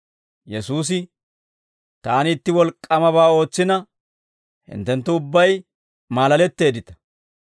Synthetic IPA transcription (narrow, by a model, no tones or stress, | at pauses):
jɛsuːs̬ɪ | t̪aːnɪːt̪ːɪwɔlkʼːɐmɐβaːo̞ːt͡sːɪnɐ | hɪ̰nt̪ːɛnt̪ːʊʊbːɐj | maːlɐlɛt̪ːe̞ːd̪ɪt̪ɐ̥